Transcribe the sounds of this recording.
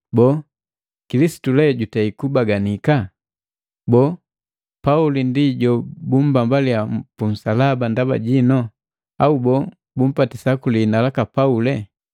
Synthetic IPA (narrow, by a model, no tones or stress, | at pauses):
bɔ | kilisi̥tulɛɟutaikubaɡanika | bɔː | paulindiɟɔbum̩bambalijampun̩salabandaba̰ɟinɔ | aubɔ | bum̩patisakulinalakapaulɛ